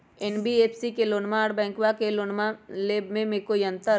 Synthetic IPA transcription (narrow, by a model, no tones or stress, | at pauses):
enbieːpʰsikeloːnmaɽbɛ̃ːŋkwakelonmaleːbmẽmekoijə̃nt̪əɾ